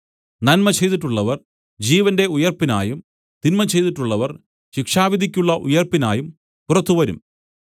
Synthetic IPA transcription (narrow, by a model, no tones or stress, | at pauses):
nɐnmɐt͡ɕe̞jt̪iʈːuɭːɐʋɐr | d͡ʑiːʋɐnde̞ujɐrpina̰ːjum | t̪inmɐt͡ɕe̞jt̪iʈːuɭːɐʋɐr | ɕikʂaːʋid̪ʱikʲːuɭːɐʔṵjɐrpːina̰ːjum | purɐt̪ːuʋɐɾṵm